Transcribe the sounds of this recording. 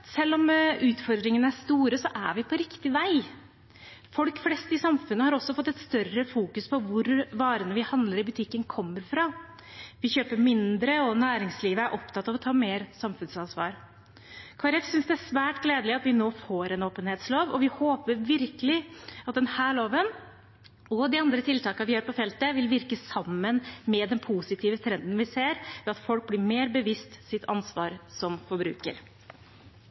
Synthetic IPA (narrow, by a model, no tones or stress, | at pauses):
sɛlːɔmʉːt̪fɔɾd̪ɾɪŋənəæʂst̪uːɾəsɔʔæ̰ʋɪpʰɔɾɪkt̪ɪʋæɪ | fɔlkflɛst̪ɪsɑmfʉnːəhɑɾɔsːɔfɔt̪ːɛt̪st̪œrəfuːkʉspʰɔʋʊɾʋɑːɾənəʋɪhɑnd̪ləɾɪbʉt̪ʰɪkːənkʰɔmːəɾfɾɑ | ʋɪçøːpəɾmɪnd̪ɾəɔnæːɾɪŋsliːʋəæɾʔɔpt̪ʰɑt̪ːɑʋɔt̪ʰɑːmeːɾsɑmfʉnsɑnsʋɑ̰ːɾ | kʰɑːɾɛfsʏnsd̪ɛæsʋæːʈɡleːd̪əlɪɑt̪ʋɪnoːfoːɾɛnoːpənheːt̪sloːʋɔʋɪhoːpəɾʋɪɾkəlɪɑt̪̚d̪ɛnhæːɭoːʋən | ɔd̪ɪɑnd̪ɾət̪ʰɪlt̪ʰɑːkɑʋɪhɑːɾpɔfɛlt̪əʋɪlʋɪɾkəsɑmːənmɛd̪ɛnpʰusɪt̪ʰiːʋət̪ʰɾɛnd̪ənʋɪseːɾʋɛɑt̪fɔlk̚blɪɾmeːɾbəʋɪst̪sɪt̪ʰɑ̰nsʋɑːɾsɔmfɔɾbɾʉ̰ːkə̰ɾ